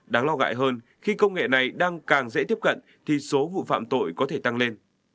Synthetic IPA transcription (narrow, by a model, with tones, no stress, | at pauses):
ɗaː˨˦ŋlɔ˧ŋa̰ː˧˨jɦəː˧n | xi˧kə˧wŋ͡mŋḛ˧˨na˨˩jɗaː˧ŋkaː˨˩ŋzɛ̰˧˥t̪i˦˥əp̚kə̰˧˨n | t̪ʰi˨˩so˨˦vṵ˧˨fa̰ː˧˨mt̪o̰˧˨jkɔ˨˦t̪ʰe˧˩t̪a˧ŋle˧n